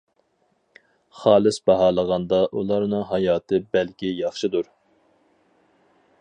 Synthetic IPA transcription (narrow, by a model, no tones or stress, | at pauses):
χɑːlˠɨsbɑɦɑːlˠəʁɑnd̪ɑʔulˠɑɾnɨŋɦɑjɑːt̪ɨbɛlkʲijɑχʃɨd̪uɾ